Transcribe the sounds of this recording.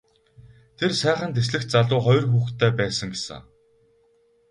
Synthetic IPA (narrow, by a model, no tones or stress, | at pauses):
t̪ʰersæːχə̆nt̪ʰes̬ɮɘ̆xt̪̚t͡saɮʊːχɔjrxuːxt̪ʰːæːpæːsə̆ŋɡesə̰̆